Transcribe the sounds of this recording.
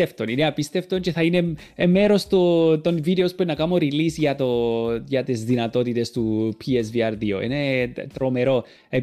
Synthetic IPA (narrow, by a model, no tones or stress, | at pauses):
eft̪o̞nineɐpist̪e̞ft̪o̞nce̞θɐine | emeɾo̞st̪ot̪o̞nvid̪eospuenːɐkɐmo̞ɾilisʝɐt̪o̞ʝɐt̪izðinɐt̪o̞t̪it̪e̞st̪upʰies̬viɐɾðio̞̰ʔḭne̞t̪ɾo̞me̞ɾo̞ | e